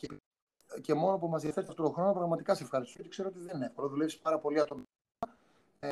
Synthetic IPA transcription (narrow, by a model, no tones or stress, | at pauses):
p | ce̞mo̞nopumɐzðiɐfet̪ɐft̪o̞t̪oxɾo̞nopɾɐɣmɐt̪ikɐseefxɐɾist̪oot̪i̥kseɾoot̪iðennefkolɐðulefsi̥pɐɾɐpo̞liɐt̪on